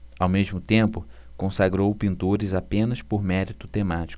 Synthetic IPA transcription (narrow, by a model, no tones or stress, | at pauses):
awmeʒmʊt̪ẽmpʊ | kõsaɡɾowpĩnt̪oɾɪzapẽnɐspoɾmɛɾit̪ʊ̥t̪emat͡ʃi̥kʊ